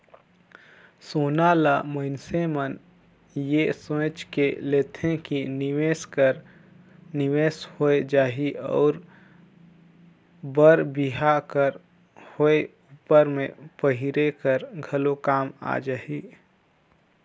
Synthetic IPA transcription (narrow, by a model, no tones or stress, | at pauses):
soːnalaməɪnsemən | jesõːt͡ʃkeleːt̪ʰẽkinɪweskəɾ | nɪʋeːshoed͡ʒaːɦiʔɔ̰ːɾ | bəɾbiɦakəɾ | hoe | uːpəɾmḛ̃pəɦɪɾekəɾɡʱəlokaːma̰d͡ʒaːɦiː